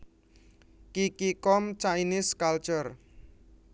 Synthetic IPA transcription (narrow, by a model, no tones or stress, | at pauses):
kikikɔmt͡ʃainɪskalt͡ʃɔr